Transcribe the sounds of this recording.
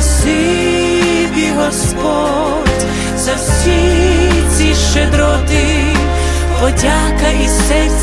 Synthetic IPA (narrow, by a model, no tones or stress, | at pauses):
si | bʲiɦɔspɔ | dʲ | zɐwsʲi | sʲiʃed̪ɾɔt̪ɪ | pɔdʲakɐʔisɛ